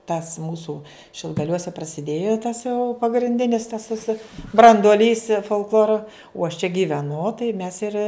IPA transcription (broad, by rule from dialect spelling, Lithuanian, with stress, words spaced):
tɐs ˈmuːsʊ ʃʲɪlˠɡɐˈlʲuɔsʲɛ prɐsʲɪˈdʲeːjoː tɐs jɛʊ pɐɡrʲɪnʲˈdʲɪnʲɪs tɐs ˈʋʲɪsɐ brɐnduɔˈlʲiːs foːlˠkˈlˠoːrɐ uɔ ɐʃ t͡ʃʲɛ ɡʲɪʋʲɛˈnʊ tɐɪ mʲɛs ɪr